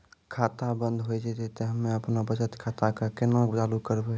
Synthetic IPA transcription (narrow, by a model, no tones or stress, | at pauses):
kʰaːt̪abənd̪ʱɦoid͡ʒed͡ʒet̪eɦəmːẽəpnabət͡ʃət̪kʰat̪akakɪnãt͡ʃaːlukəɾbe